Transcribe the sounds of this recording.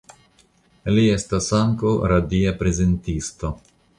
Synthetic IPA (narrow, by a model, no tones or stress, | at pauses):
liest̪asaŋkowɾad̪iapɾezent̪ist̪o